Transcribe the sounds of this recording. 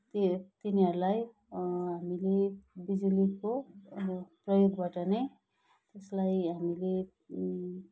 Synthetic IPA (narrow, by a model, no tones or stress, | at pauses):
t̪et̪iniɦʌɾulaj | ɦamilebid͡ziliko | prʌjoɡbaʈʌnʌj | t̪eslajɦamile